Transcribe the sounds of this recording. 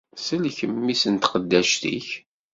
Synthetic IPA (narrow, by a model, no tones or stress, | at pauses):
səlçəmːisənt̪qəd̪ːæʃt̪ḭç